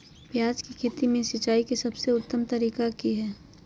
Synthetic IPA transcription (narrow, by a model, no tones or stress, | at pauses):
pjaːd͡ʒkikʰeːt̪imẽʃɪt͡ʃaːikesɐbseʊt̪ːəmt̪ɐɾiːkakiɦɛː